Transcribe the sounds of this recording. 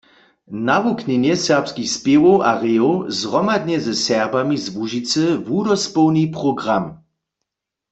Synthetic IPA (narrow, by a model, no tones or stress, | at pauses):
navuknɛnjɛsɛʁpskixspevowʔaʁeowzʁɔmad̪ɲɛzɛsɛʁbamizvuʒit͡səvudɔspɔwnipʁɔɡʁam